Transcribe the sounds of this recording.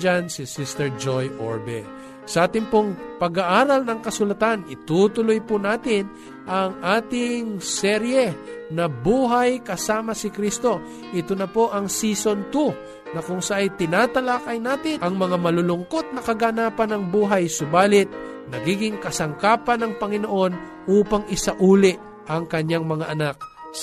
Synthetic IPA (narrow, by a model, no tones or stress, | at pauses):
d͡ʒansɪsist̪ɛɹd͡ʒojʔo̰ɹbɛ̰ | sɐʔaːt̪ɪŋpoŋpɐɡaʔaːɾɐlnɐŋkɐsʊlɐt̪anɪt̪ut̪ʊlojpʊnaːt̪ɪn | ʔɐŋʔaːt̪ɪŋsɛɾjɛnɐbuːɦajkɐsaːmɐsɪkɾist̪o̞ | ʔɪt̪onɐpo̞ʔɐŋsiso̞nt̪u | nɐkʊŋsaʔajt̪ɪnaːt̪ɐlakɐjnaːt̪ɪʔɐŋmɐŋamɐlʊlʊŋkot̪̚nɐkɐɡanaːpɐnɐŋbuːɦajsʊbaːlɪt̪̚ | nɐɡiːɡɪŋkɐsɐŋkaːpɐnɐŋpɐŋɪnoʔo̞n | ʔuːpɐŋɪsaʔuːlɪʔ | ʔɐŋkɐɲːaŋmɐŋaʔɐnak̚